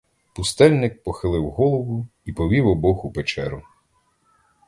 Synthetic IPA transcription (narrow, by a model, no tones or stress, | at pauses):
pʊst̪ɛlʲnɪk̚pɔxɪlˠɪwɦɔlˠɔʋʊipɔʋʲiwɔbɔxupet͡ʃɛɾʊ